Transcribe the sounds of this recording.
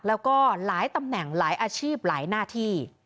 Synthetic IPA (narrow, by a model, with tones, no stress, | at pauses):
k̚lɛː˦˥wkɔː˥˩laː˨˩˦jt̪a˧mnɛ˨˩ŋlaː˩˦jʔaː˧t͡ɕʰiː˥˩p̚laː˩˦jnaː˥˩t̪ʰiː˥˩